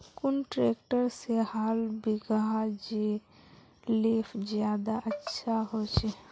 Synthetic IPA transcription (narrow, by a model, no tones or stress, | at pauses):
kʊnʈɾeːkʈəɾsehaːlbʱiɡəɦad͡ʒe | leːpʰd͡ʒjaːd̪aʔətːʃʰaɦot͡ʃʰe